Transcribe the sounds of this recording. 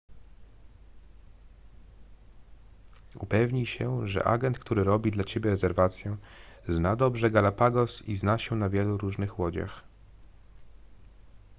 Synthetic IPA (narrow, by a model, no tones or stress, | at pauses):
upɛvɲiɕɛʐɛ̰ʔa̰ɡɛnt̪̚kt̪uɾɘɾɔbʲid̪lat͡ɕebʲjɛɾɛzɛɾvat̪sʲjɛ | znad̪ɔbʐɛɡalapaɡɔsiznaɕɛnavʲjɛluɾuʐnɘxwɔd͡ʑa̰x